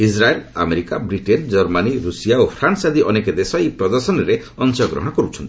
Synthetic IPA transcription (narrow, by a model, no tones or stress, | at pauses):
isɾaela̰meɾikabɾiʈend͡ʒɔɾmaniɾusijaopʰɾansad̪iʔɔneked̪esɔipɾɔd̪ɔɾsɔnɔɾe | ɔnsɔɡɾɔ̰ɦɔɽ̃ɔkɔɾut͡ʃʰɔnt̪i̥